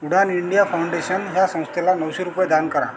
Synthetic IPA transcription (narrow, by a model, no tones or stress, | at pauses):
uɽaniɳɖijafawɳɖeɕənɦjasə̃w̃st̪ʰelanəwɕeɾupjed̪ankəɾa̰